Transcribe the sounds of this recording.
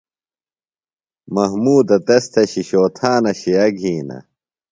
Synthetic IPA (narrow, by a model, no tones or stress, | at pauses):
mɐɦmuːd̪ɐt̪ɐst̪ʰɐɕiɕoːt̪ʰaːnɐɕiɐɡʱiːnɐ̰